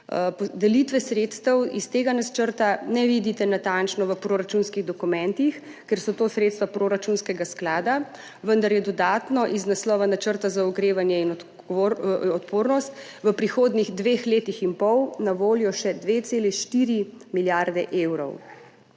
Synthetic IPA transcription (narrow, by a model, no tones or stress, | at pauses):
pɔd̪ɛlit̪ʋɛsɾet̪st̪əwist̪eːɡanat͡ʃəɾt̪anɛʋid̪it̪ɛnat̪ant͡ʃnɔʋəpɾoːɾat͡ʃunskiɣd̪ɔkumɛ̃nt̪ix | kɛɾsɔt̪oːsɾet̪st̪ʋapɾoɾat͡ʃunskɛɡasklaːd̪a | ʋənd̪aɾjɛd̪ɔd̪aːt̪nɔʔiznaslɔːʋanat͡ʃəɾt̪azauɡɾeːʋanjɛinɔ | ɔt̪poːɾnɔst̪ | ʋəpɾixoːd̪niɣd̪ʋexleːt̪ixinpɔwnaʋoːljɔʃɛd̪ʋet̪seːlɛʃt̪iɾimiljaɾd̪ɛ̰ʔewɾɔ̰w